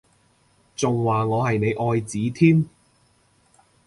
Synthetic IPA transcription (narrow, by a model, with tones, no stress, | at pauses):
t͡sʊ˨ŋwaː˨˩ŋɔː˨˧ɦɐ˨jne˨˧jʔɔː˧jt͡siː˨˥t̪ʰiː˥m